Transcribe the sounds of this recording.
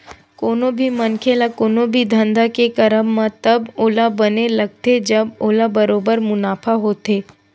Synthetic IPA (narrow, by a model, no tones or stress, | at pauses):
koːnõbʱimɐnkʰelakoːnõbʱid̪ʱə̃nd̪akekɐɾəmːãt̪ɐboːlabɐnelɐɡ̚t̪ed͡ʒɐboːlabɐɾoːbəɾmʊnaːpʰaɦoːt̪eː